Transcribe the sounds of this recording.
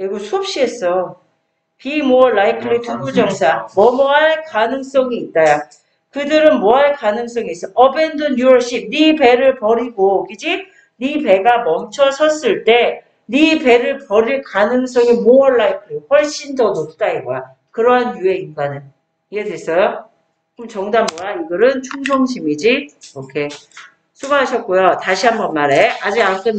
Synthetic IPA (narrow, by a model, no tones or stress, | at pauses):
eɡosʰop̚ɕ͈ie̞s͈ʌjo | pimoʌɭːaikʰɯɾitʰuɡud͡ʑʌŋsʰaŋmʌmoaɭkanɯŋs͈ʌŋiːt̚t͈aja | kɯdɯɾɯnmoɦaɭkanɯŋs͈ʌŋiːs͈ʌʔʌbe̞ndonjuʌɭɕ͈ip̚nipe̞ɾɯɭpʌɾiɡokid͡ʑi | nipe̞ɡamʌmt͡ɕʰʌsʰʌs͈ɯɭt͈e̞ | nipe̞ɾɯɭpʌɾiɭkanɯŋs̬͈ʌŋimoʌɭːaikʰɯɾeɡoɸʌɭɕ͈indʌnop̚t͈aiɡʌja | kɯɾʌɦanjue̞inɡanɯn | iɡedes͈ʌjo | kɯmt͡ɕʌŋdammʌɾaiɡʌɾɯnt͡ɕʰuŋsʰoŋɕ̬ʰimid͡ʑiokʰe̞ | sʰuɡaɦaɕʰʌt̚k͈ojotaɕʰiɦambʌnmaɾe̞ad͡ʑiak͈ʰen